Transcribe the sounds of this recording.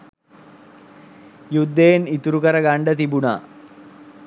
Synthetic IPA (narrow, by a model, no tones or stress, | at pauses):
jud̪ːejenit̪uɾukɐɾəɡaɳɖət̪ibuna̰ː